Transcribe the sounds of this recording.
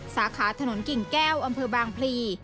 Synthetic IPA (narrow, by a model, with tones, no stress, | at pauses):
saː˩˦kʰaː˩˦t̪ʰa˧no˩˦nki˨˩ŋkɛː˥˩wʔa˧mpʰɤː˧baː˧ŋpʰliː˧